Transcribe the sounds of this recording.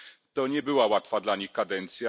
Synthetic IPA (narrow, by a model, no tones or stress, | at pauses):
t̪ɔɲɛbɘwawat̪fad̪laɲixkad̪ɛnt̪sja